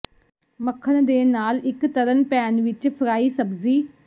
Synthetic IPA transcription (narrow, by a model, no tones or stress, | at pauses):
məkʰːəɳ̃d̪eːnaːlɪkt̪ələnpɛːnʋɪt͡ʃpʰɾaːiːsəbziː